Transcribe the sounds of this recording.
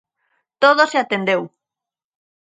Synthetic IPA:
t̪oð̞oseat̪end̪ew

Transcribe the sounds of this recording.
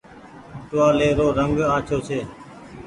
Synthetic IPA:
ʈʋaːleːɾoːɾəŋɡaːt͡ʃʰoːt͡ʃʰeː

